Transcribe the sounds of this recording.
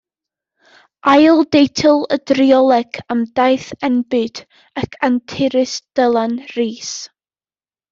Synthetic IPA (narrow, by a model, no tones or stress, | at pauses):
ʔajlˠdejtʰɪlˠədriɔlˠɛɡəmdajθɛnbɨd̥ | akʰantʰɪɾɨsd̥əlˠanriːs